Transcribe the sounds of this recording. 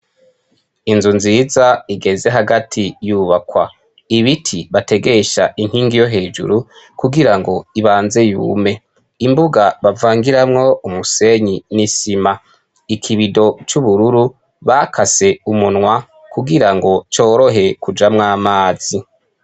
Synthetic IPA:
inzunzizaiɡe̞ze̞ɦaɡatʰijuβakwa | iβitʰiβate̞ɡe̞ʃaʔiŋhiːŋɡijo̞ɦe̞ːd͡ʒṵɾu | kuɡiɾaŋɡo̞iβaːnze̞jṵme̞ | imbuɡaβavaːŋɡiɾamŋo̞umuse̞ɲinisima | ikʰiβido̞t͡ʃuβuɾuɾu | βakʰase̞umunŋwa | kuɡiɾaŋɡo̞t͡ʃo̞ːɾo̞ɦe̞kud͡ʒamŋaːmaːz̥i

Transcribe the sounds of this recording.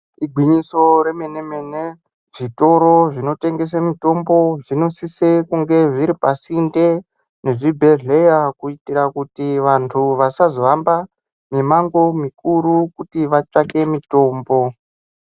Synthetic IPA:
iɡʱwiɲiso̞ɾe̞menemene | ʐito̞ɾo̞ʐino̞te̞ŋɡe̞s̬amito̞mbo̞ʐino̞sisekuŋɡe̞ʐiɾipasinde̞ | ne̞ʐibʱe̞ɮe̞jakuitirakutiʋantʰuʋasazoʋamba | mimaŋɡo̞mikuɾukutiʋat͡ʂake̞mito̞ːmbo̞

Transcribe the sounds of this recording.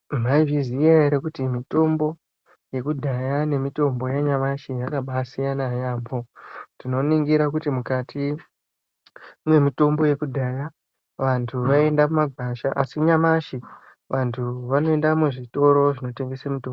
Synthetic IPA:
maivizijaeɾekutimito̞mbo̞ | je̞kudʱajane̞mito̞mbo̞jeɲamaʃijakaɓasijanajaːpo̞tino̞niŋɡiɾak̬utimukatʰi | mwe̞mito̞mbo̞je̞kudʱaja | ʋantʰuʋae̞ndamumaɡʱaʃaʔasikɲamaʃi | ʋʔantʰuʋano̞e̞ndamuʐito̞ɾo̞ʐino̞te̞ŋɡesamitoːmbo

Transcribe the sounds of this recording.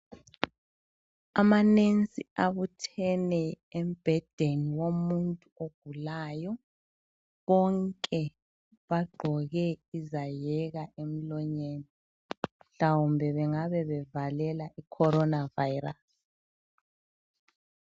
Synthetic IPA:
amanent͡sʼiaβutʰɛnɛ | em̩b̥ʱɛd̥ʱeniwomuntʼuoɡ̥ʱulajɔ | βɔŋkʼɛ | βaɡ͡ǃʱɔɣɛizajɛɣaʔem̩lɔɲeːni | m̩ɬawumbʱɛβɛŋaβɛβɛvalɛlaʔikʰɔɾɔnavajras

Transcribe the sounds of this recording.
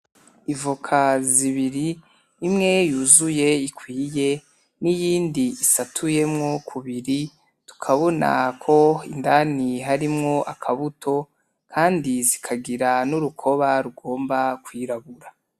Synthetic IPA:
ivukʰaziβiɾiː | mŋe̞juzuje̞ikʰwiːje̞ | nijiːndiisatʰuje̞mŋo̞kʰuβiɾi | tu̥kʰaβo̞na̰kʰo̞indaːniɦaɾimŋo̞ʔakʰaβutʰo̞ | kʰaːndizikʰaɡiɾanuɾukʰo̞βaɾuɡo̞ːmbakwiːɾaβuɾa

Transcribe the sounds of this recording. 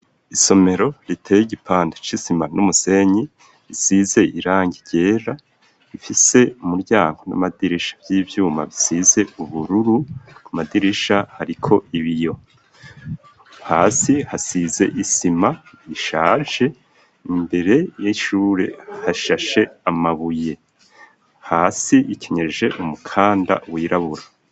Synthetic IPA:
iso̞me̞ɾo̞ɾitʰejiɟipʰaːndet͡ʃisimanumuse̞ɲi | isize̞iɾaːŋɡiɾɟ̥e̞ːɾa | ifise̞umuɾɟaːŋɡo̞na̰madiɾiʃḁbjiːvjuːma̰βisize̞uβuɾuɾukumadiɾiʃahaɾikʰo̞iβijo̞ | haːsihasize̞̰ʔisima | iʃaːʒe̞ | imbe̞ɾe̞jiʃuːɾe̞̰haʃaʃe̞amaβuje̞ | haːsiicʰeɲeʒe̞ʔumukʰaːnda̰wiːɾaβuɾa

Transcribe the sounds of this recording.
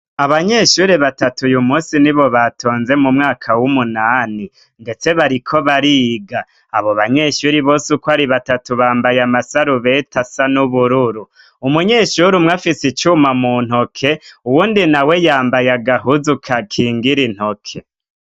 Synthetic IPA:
aβaɲe̞ʃuɾeβatatujumuːsiniβo̞βatʰo̞ːnze̞mumŋaːkʰawumunaːni | nde̞t͡se̞βaɾikʰo̞βaɾiɡaː | βo̞βaɲe̞ːʃuɾiβo̞ːsukwaɾiβatatuβaːmbajamasaɾuβe̞tʰasanuβuɾuɾu | umuɲe̞ːʃuɾumŋafisit͡ʃumamun̥ho̞kʰe̞uwuːndinawe̞jaːmbajaɡaɦuzukʰakʰiːŋɡiɾin̥ho̞kʰe

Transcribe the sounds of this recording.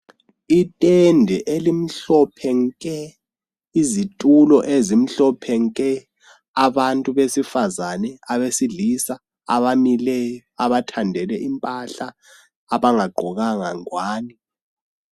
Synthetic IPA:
itʼɛndʱɛʔelim̩ɬɔpʰɛŋkʼɛ | izitʼulɔʔezim̩ɬɔpʰɛŋkʼɛ | aβantʼuβesifazanɛaβesiɮisa | a̰βamilɛjɔaβatʰandʱɛlɛʔimpʼaɬaː | βaŋaɡ͡ǃʱɔɣaŋaŋwaːni

